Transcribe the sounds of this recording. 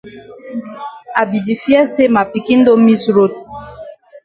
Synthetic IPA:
a˨bi˨di˨fjɛ˦se˦ma˨pi˨ki˦n̩˦do˦mi˦sɾo˦t̚

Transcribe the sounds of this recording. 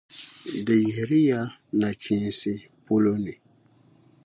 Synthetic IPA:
dɪ˨je˨ɾi˦ja˦na˨t͡ʃĩ˦nsɪ˦ | po˦lo˦nɪ˨

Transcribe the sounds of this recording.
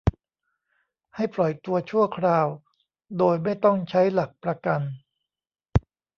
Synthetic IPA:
ha˥˩jplɔ˨˩jt̪u˧ɐt͡ɕʰu˥˩ɐkʰɾaː˧w | doː˧jma˥˩jt̪ɔ˥˩ŋt͡ɕʰa˦˥jla˨˩k̚pɾa˧ka˧n

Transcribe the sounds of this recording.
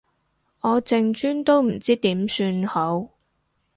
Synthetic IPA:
ɔː˨˧t͡sɪ˧ŋt͡ʃyː˥nt̪o˥wm̩˨˩t͡siː˥t̪iː˨˥msyː˧nho˨˥w

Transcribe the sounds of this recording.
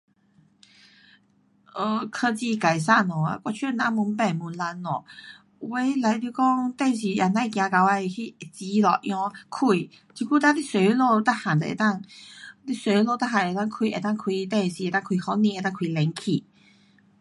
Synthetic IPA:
ʔə˧˩kʰə˧t͡ɕi˧ka˨˩js̬a˥˧˨nɔ˨a̰˧kwɔ˧t͡ɕʰy˥˧˨nã˧˦mu˧˦npɛ˨˩nmu˨˦nla˧˦nlɔ˨˩ | we˧˦jla˧˦jt̪i˧kɔ˥˦ŋt̪ɛ˥˧˨nɕ̬i˨ʔa˨˩nã˧˨kjã˧ka˧wa˧hi˥˧˨t͡ɕi˧˦lɔ̰˨˩ʔjɔ̃˧˦kʰu˧˩ | t͡ɕi˧ku˥˧˦t̪a˥˧t̪i˥˨swe˨˧˦lo˥˧t̪a˥˩ha˨˩nd̪ə˨ḛ˧˩t̪a˥˧˨ŋli˥swe˧˦˧lo˥˧t̪a˥ɦa˨˩n˨˧˩t̪a˥˨ŋkʰwi˧˨ʔe˨˩t̪a˥˧ŋkʰwi˧t̪ɛ˥˧nɕi˨e˧˦t̪a˥˧ŋkʰwi˨˩hɔ˧˦nĩ˧˨e˧˦t̪a˥˧ŋkʰwi˧˩lɛ˨˧˦ŋkʰi˨˩

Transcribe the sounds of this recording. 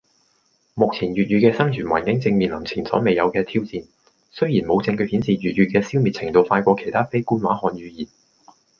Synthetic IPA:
mʊ˨k̚t͡sʰiː˨˩njyː˨t̚jyː˨˧kɛː˧sɐ˥ŋt͡ʃʰyː˨˩nwaː˨˩nkɪ˨˥ŋt͡sɪ˧ŋmiː˨˩nlɐ˨˩t͡sʰiː˨˩nsɔ̰˨˥me˨jɐ˨˧wkɛː˧t̪ʰiː˥wt͡siː˧n | sɵ˥ɥjiː˨˩nmo˨˧wt͡sɪ˧ŋkɵ˧hi˨˥nsiː˨jyː˨t̚jyː˨t̚kɛː˧siː˥wmi˨t̚t͡sʰɪ˨˩ŋt̪o˧wfaː˧kʷɔː˧kʰe˨˩jt̪ʰaː˥fe˥jkuː˥nwaː˨˥hɔː˧njyː˨˧jiː˨˩n

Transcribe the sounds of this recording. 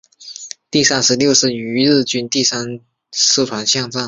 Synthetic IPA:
t̪i˥˩sa˥nʂɻ̩˧˥ljo˥˧ʊʂɻ̩˥˩y˧˥ɻ̩˥˩t͡ɕy˥nt̪i˥˩sa˥n | ʂ̩˥˩t̪ʰwa˧˥nɕjɑ˥˧ŋt͡sɑ˥˩ŋ

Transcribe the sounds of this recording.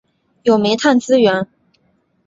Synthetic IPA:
jo˨˩me˧˥ɪt̪ʰa˥˩nt͡sɹ̩˥ɥɛ˧˥n

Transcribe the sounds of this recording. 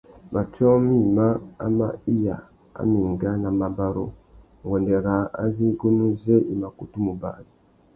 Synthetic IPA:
ma˨t͡ʃɔ˦mi˦˨ma˦a̰˦ma˦i˦ja̰˨ | a̰˨˦mi˨ŋɡa˦na˨ma˨ba˦ɾo̰˦ | ŋɡɔ˨nde˨ɾa˨a̰˦zi˦ɡu˦nu˦ze˦ʔi˨ma˨ku˨tu˦mu˨ba̰˨di˨

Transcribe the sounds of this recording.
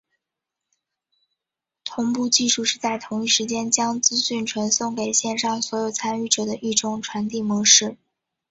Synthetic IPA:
t̪ʰʊ˧˥ŋpu˥˧t͡ɕi˥˧ʂu˥˧ʂɻ̩˥˧t͡sa˥˩ɪt̪ʰʊ˧˥ŋi˥˩ʂɻ̩˧˥t͡ɕjɛ˥nt͡ɕjɑ˥ŋt͡sɹ̩˥ɕy˥˩nʈ͡ʂʰwə˧˥nsʊ˥˩ŋke˨˩ɪɕjɛ˥˧nʂɑ˥˩ŋswɔ˧˥jo˨˩ʊt͡sʰa˥ny˥˩ʈ͡ʂɤ˨˩d̪ə˦ʔi˥˩ʈ͡ʂʊ˧˥ŋʈ͡ʂʰwa˧˥nt̪i˥˩mwɔ˧˥ʂɻ̩˥˩

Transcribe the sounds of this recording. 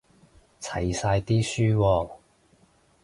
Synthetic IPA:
t͡sʰɐ̰˨˩jsaː˧jt̪iː˥syː˥wɔː˧

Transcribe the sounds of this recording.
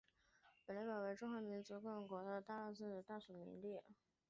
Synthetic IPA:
pə˨˩nla˧˥pɑ˨˩we˧˥ɪʈ͡ʂʊ˥ŋxwa˧˥mi˧˥nt͡su˧˥kə˧˥ŋkwɔ˧˥t̪ə˥˩˧t̪a˥˧a˥˧sə˥˩nd̪ə˨˩t̪a˥˩su˨˩mḭ˧˥nli˥˩

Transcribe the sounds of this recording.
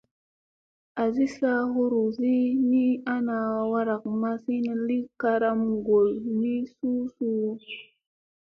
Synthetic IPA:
a˨zi˦sa˦ɦu˦ɾu˨zi˦ni˦a˦na˨wa˦ɾa˨k̚ma˦si˦na˨li˦ka˦ɾa˦mɡo˨lni˦su˦su˦

